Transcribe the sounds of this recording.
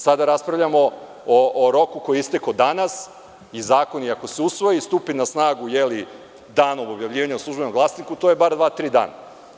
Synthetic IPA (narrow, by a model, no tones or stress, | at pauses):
sad̪aɾaspɾaʋvʎʲamo̞ | oʔoɾo̞kuko̞jeist̪ekod̪anas | izaːko̞niako̞seusʋo̞jist̪uːpinasnaːɡujeli | d̪aːnobo̞bjaʋʎʲiːʋaɲauslˠuʒbe̞nomɡlˠasnikut̪ojebaɾd̪ʋaːt̪ɾiːd̪a̰ːna̰